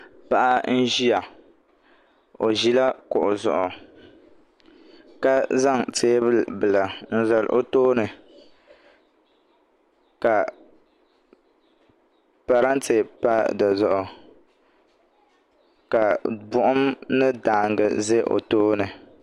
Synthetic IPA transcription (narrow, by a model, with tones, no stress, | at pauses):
pa˦ʔa˦n̩˦ʒi˦a˨ | o˨ʒi˦la˦kʊ˨ʔʊ˨zɔ̰˨ʔʊ˨ | ka˦za˦˨ŋteː˦bbɨ˨la˨n̩˦zɛ˨lʔo˦toː˦nɨ˨ | ka˨ | pa˨ɾa˦n˦te˨pa˦da˨zɔ˨ʔʊ˨ | ka˨bʊ˦ʔʊ˦mnɨ˦daː˨ŋɡɨ̰˨ze˦ʔo̰˨toː˦nɨ˨